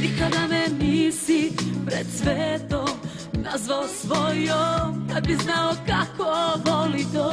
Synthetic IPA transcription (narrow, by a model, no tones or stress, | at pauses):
nikad̪anɛnisipɾɛt̪sʋɛt̪om | nazʋalsʋɔjomd̪abiznaokakʰovolit̪o